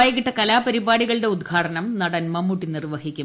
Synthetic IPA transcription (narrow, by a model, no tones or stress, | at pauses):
jɐɣiʈːɐkɐlaːpɐɾibaːɽiɣɐɭɨɽe̞ud̪ɡʰʱaːʈɐnɐmnɐɽɐnmɐmːuʈːinirʋɐhikʲːum